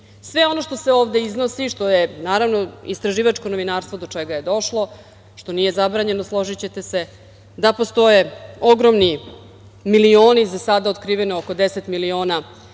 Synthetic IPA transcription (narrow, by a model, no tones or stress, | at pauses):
sʋe̞o̞no̞ʃt̪o̞seoːʋd̪e̞izno̞siʃt̪o̞je̞naːɾaʋno̞ist̪ɾaʒiːʋat͡ʃko̞no̞ʋinaːɾst̪vo̞d̪o̞t͡ʂeɡaje̞d̪o̞ʃlˠo̞ | ʃt̪o̞nije̞zabɾaːɲe̞noslˠo̞ʒit͡ɕe̞t̪e̞se̞ | d̪apo̞st̪o̞jeo̞ɡɾomni | milioːnizasad̪aot̪kɾiːʋenooko̞d̪eset̪milio̞ːna